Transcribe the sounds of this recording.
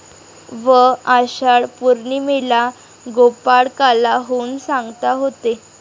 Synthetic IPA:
ʋəaɕaɭpuɾɳiːmela | ɡopaɽkalaɦonsãŋɡt̪aɦot̪e

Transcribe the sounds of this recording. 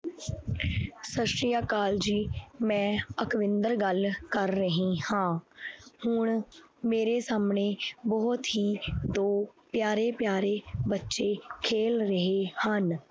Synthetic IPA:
səʃɾijaːkaːld͡ʒiːmɛ̃ːəkʋɪ̃nd̪əɾɡəlkəɾːəɦĩːhãːhʊɳ | meːɾeːsaːmɳeːbɔːʊt̪ɦiːd̪oːpjaːɾeːpjaːɾeːbətːʃeːkʰeːlɾəɦeːhən

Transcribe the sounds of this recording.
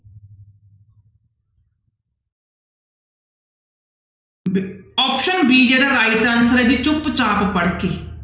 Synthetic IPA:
ɔːpʃənbiːd͡ʒeːdaɾaːɪʈənsəɾd͡ʒit͡ʃʊpt͡ʃaːppəɽkeː

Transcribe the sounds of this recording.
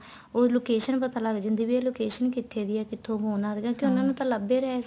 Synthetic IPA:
oːloːkeːʃənpət̪ãːlaɡd͡ʒɪ̃nd̪iːʋiːeloːkeːʃənkit̪ʰːeːd̪ɪjɛːkɪt̪ʰːõːɦõːnãːd̪eɡãːkɪʊnãːnũːt̪ãːləbeːɾɛɦeː

